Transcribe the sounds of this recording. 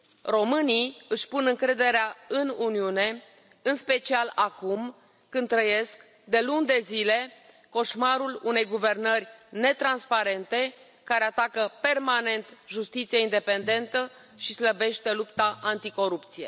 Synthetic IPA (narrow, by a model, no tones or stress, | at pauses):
ro̞mɨniɨʃʲpunɨŋkɾe̞d̪e̞ɾeaɨnuniune̞ | ɨnspe̞t͡ʃialakumː | ɨnd̪t̪ːɾəje̞sk | d̪e̞lund̪e̞zile̞ | ko̞ʃmaɾulune̞jɡuve̞rnərʲne̞t̪ɾanspaɾe̞nt̪e̞ | kaɾe̞at̪akəpe̞rmane̞nt̪ʒust̪it̪sijeind̪e̞pe̞nd̪e̞nt̪ə | ʃisləbe̞ʃt̪e̞lupt̪aʔant̪iko̞ɾupt̪sije̞̰